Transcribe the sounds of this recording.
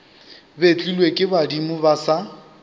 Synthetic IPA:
bet͡ɬʼilwekʼɪbadimʊbasa

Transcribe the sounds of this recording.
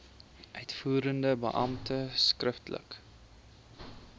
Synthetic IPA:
ʔœɥtfuːɾəndəbə̰ʔɐ̰mtəskrəftlə̰k

